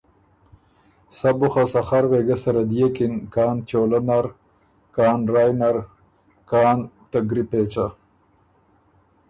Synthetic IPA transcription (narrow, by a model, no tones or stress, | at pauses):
sabʊxasaxaɾweːɡɐsɐɾad̪ijekinkɑːnt͡ʃoːlanaɾ | kɑːnɾaːjnaɾ | kɑːnt̪aɡɾipeːt͡sa